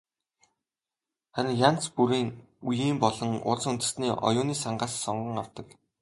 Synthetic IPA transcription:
χæɾʲɪ̆ŋjan̥t͡spuɾiːŋ | ujiːmpɔɮɞ̆ŋʊ̰ɮt͡s̆unt̪ɘ̆sniːʔɔ̰jʊːniːsaɴɢaːsːɔɴɢə̆ŋaw̥t̪ə̆k

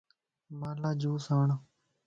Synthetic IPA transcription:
maːlaːd͡ʒuːsaːɳː

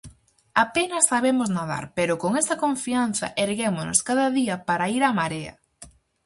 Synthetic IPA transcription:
apenɐsːaβ̞emoznaða̰ɾpeɾʊkoŋest̪ɐkoɱfian̟θɐ̰ʔeɾɣemono̰skaðɐðiɐpaɾaiɾamaɾeɐ̰

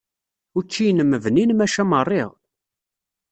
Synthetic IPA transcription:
ʊt͡ʃːijnəmːəvninmæʃæmərˤːiʁ

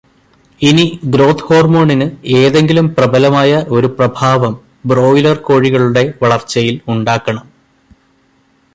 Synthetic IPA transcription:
iniɡɾo̞ːt̪ʰho̞ːrmuːɳinɨe̞ːðe̞ŋɡilumprɐbɐlɐmaːjɐʔo̞ɾuprɐbʱaːʋɐm | bro̞ːjlɐrko̞ːɻiɣɐɭuɽe̞ʋɐɭɐrt͡ɕːɐjiluɳɖaːkːɐɳɐm

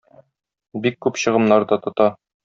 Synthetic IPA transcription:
bikːʉpɕɤ̆ʁɤ̆mnɑɾd̪ɑt̪ŏt̪ɑ

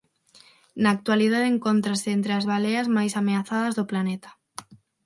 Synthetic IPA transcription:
naːk̚t̪waliðaðeŋkont̪ɾasɪent̪ɾeazβaleazmajsameaθað̞azðoplanet̪ḁ

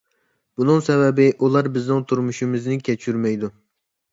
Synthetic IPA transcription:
b̥unɨŋsɛvɛbɪʔulˠɑɾbɪznɪŋt̪ʰuɾmuʃimɪznɪkʲʰɛt͡ʃʰyɾmɛjd̪u

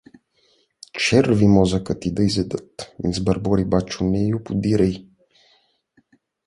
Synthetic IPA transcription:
t͡ʃɛɾvimɔzɐkat̪id̪ɐizɛd̪ət̪ḭnzbɐɾbɔɾibat͡ʃunɛjupud̪iɾɛj

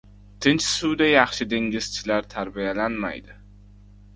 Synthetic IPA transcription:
t̪ʰɪnt͡ʃsʊwd̪ajɑχʃɪd̪e̞ŋɡʲɪz̥t͡ʃʰɪlaɾt̪ʰaɾbijalanma̰jd̪ɪ

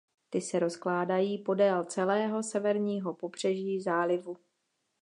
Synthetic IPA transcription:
t̪ɪsɛɾo̞sklaːdajiːpo̞dɛːlt͡sɛlɛːɦo̞sɛvɛɾɲiːɦo̞po̞br̝̥ɛʒiːzaːlɪvu

